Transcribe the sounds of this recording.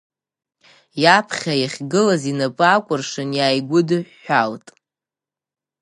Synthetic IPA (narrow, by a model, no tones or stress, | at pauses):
japʰχʲajaχʲɡɨlazinapʼakʷʼʊrʂɨnjaːjɡʷʊdɨħːʷaltʼ